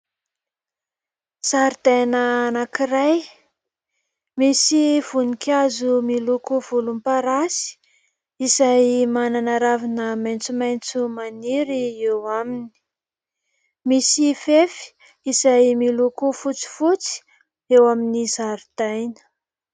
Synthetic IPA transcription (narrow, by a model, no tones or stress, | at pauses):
z̥aɾd̪ajnəanakiɾaj | misiv̥unikʲʰazumilukuvulumpaɾasi̥ | izajmananaɾavinəmajnt͡sumajnt͡sumaniɾiewamini̥ | misifefi̥ | izajmilukufut͡si̥fut͡si̥ | ewaminizaɾid̪̥ajnə̥